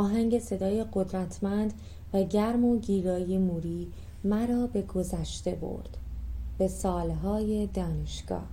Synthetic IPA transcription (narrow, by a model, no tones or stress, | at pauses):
ɒːɦæŋɟe̞se̞d̪ɒːje̞ɢo̞d̪ɾæt̪ʰmænd̪ | væɟæɾmo̞ɟiːɾɒːje̞muːɾiː | mæɾɒːbe̞ɡo̞zæʃt̪e̞bo̰ɾd̪̥b̥e̞sɒːlɦɒːje̞d̪ɒːne̞ʃɡ̥ɒ̰ːh